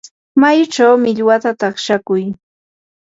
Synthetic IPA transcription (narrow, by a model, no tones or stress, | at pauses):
majt͡ʃawmɪʎwat̪at̪ɑχʃakʊj